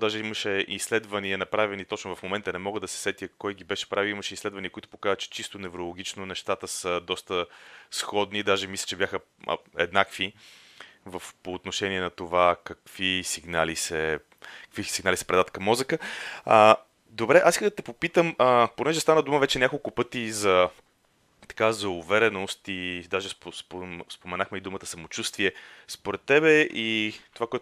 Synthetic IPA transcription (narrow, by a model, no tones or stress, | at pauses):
d̪aʒɛiməʃɛislɛd̪vəniənɐpɾavɛnit̪ɔt͡ʃnʊvɐfmomɛnt̪ənɛmɔɡəd̪ɐsɛ̥sɛt̪iəkɔjɡibɛʃɛ̥pɾavilˠiimɐʃɛislɛd̪vɐniəkoit̪ʊ̥pokazət͡ʃɛ̥t͡ʃist̪onɛvɾolˠoɡʲit͡ʃnonɛʃt̪at̪əsəd̪ɔst̪əsxɔd̪nid̪aʒɛmislʲɐ̥t͡ʃɛbjaxə̰ | ɛ̰d̪nakvi | vəfpoːt̪noʃɛniɛnɐt̪ovakɐkv̥isiɡnalisɛ | kə̥kvisiɡnalisɛ̥pɾɛd̪at̪̚kɐmːɔzəkəə | d̪obɾɛʔasiskəd̪ət̪ɛpopit̪əməponɛʒɛst̪anəd̪uməvɛt͡ʃɛnʲjakolˠkʊpɤt̪izɐ | t̪ɐ̥kazɐʊvɛɾɛnost̪id̪aʒɛspspospomɛnaxmɛid̪umət̪ə̥sɐmot͡ʃust̪viɛspoɾɛt̪ːɛbɛit̪ovakoɛt